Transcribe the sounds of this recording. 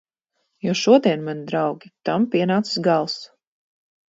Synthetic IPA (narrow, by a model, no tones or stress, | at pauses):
jɔʃuɔd̪iɛnmanid̪ɾawɡʲit̪ampiɛnaːt̪si̥sɡalˠs